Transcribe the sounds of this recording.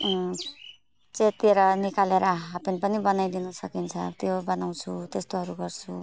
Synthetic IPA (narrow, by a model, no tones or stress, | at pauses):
t͡set̪eɾʌnikaleɾʌɦapinpʌnibʌnajd̪inʌsʌkint͡sʰʌt̪jobʌnaw̃t͡sʰut̪est̪oɦʌɾuɡʌrt͡sʰu